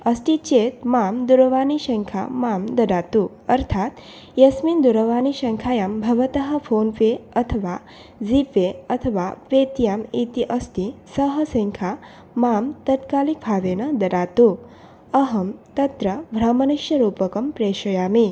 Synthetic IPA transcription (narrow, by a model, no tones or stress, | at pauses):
ɐsʈ̪it͡ʃeːt̪̚maːmd̪uɾɐʋaːniʃɐŋkʰa̰maːmd̪ɐɖaːt̪u | ɐɾt̪ʰaːt̪ | jɐsmind̪uɾɐʋaːniʃɐŋkʰaːjaːmbʱɐʋɐt̪ɐɦɐ̆pʰoːnpeːɐt̪ʰɐʋaː | zipeɐt̪ʰɐʋaːpeːt̪ijaːmit̪iʔɐst̪isɐɦɐsɐŋkʰa | maːmt̪ɐt̪kaːlik̚bʱaːʋeːnɐd̪ɐɖaːt̪u | ɐɦɐmt̪ɐt̪ɾɐbʱɾɐmɐnɐʃjɐɾuːpɐkɐmpɾeːʃɐjaːmi